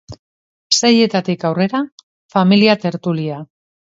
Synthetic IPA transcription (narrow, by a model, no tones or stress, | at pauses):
seje̞t̪at̪ikawre̞ɾa | familiat̪e̞ɾt̪ulia